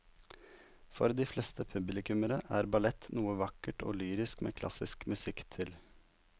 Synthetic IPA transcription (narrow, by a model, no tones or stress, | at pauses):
fɔ̰ɾd̪iːflɛst̪əpʰʉblɪkʉməɾəʔæːɾbɑlɛt̪nuːəʋɑkəʈo̰ːlyːɾɪskmḛːkʰlɑ̰sɪskmʉsɪkt̪ʰɪl